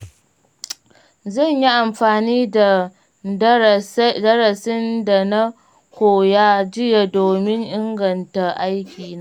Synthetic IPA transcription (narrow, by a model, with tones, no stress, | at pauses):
zɐ˦˨ɲji˦ʔa˨mɸaː˨niː˦da˨˦˨ | dɐ˦ɾɐ˨sɪ˦nda˨na˦ | hoː˨jaː˦d͡ʒɪ˦ja˨doː˨mɪ˦ŋʔɪ˦ŋɡɐ˨nta˨ʔa˦jkʲiː˨naː˦